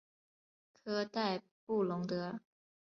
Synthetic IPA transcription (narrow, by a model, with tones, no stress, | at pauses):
kʰɤ˥t̪a˥˧ɪ | pu˥˩lʊ˧˥ŋt̪ɤ˧˥